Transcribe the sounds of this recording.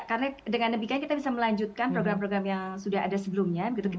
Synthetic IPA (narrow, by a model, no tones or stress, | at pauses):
kaɾənadəŋanːəbikaankit̪abisaməlaɲd͡ʒut̪̚kanpɾoɡɾampɾoɡɾamjaŋsudaɦa̰dasəbəlumɲabəɡit̪uki